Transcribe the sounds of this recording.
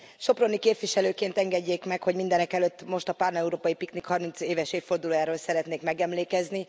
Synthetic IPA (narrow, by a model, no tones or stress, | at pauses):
ʃo̞pro̞nikeːpʋiʃɛløːkeːnt̪ɛŋɡɛɟːeːkmɛkho̞ɟmind̪ɛnɛkɛløt̪ːmo̞ʃt̪ɒpaːrnɛuɾoːpɒjipiknikhɒrmint̪seːvɛʃeːffo̞rd̪uloːjaːɾoːlsɛɾɛt̪neːkmɛɡɛmleːkɛzni